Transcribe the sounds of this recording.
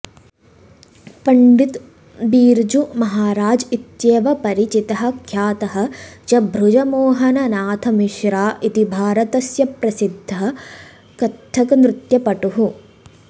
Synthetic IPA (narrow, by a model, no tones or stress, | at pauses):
pɐɳɖit̪ | biːɾd͡ʒumɐɦaːɾaːd͡ʒit̪jeːʋɐpɐɾit͡ʃit̪ɐɦɐ̆kʰjaːt̪ɐɦɐ̆t͡ʃɐbʱɾud͡ʒɐmoːɦɐnɐnaːt̪ʰɐmiʃɾaːʔit̪ibʱaːɾɐt̪ɐsjɐpɾɐsid̪ʱːɐɐ | kɐt̪ʰːɐkɐnɾut̪jɐpɐʈuɦu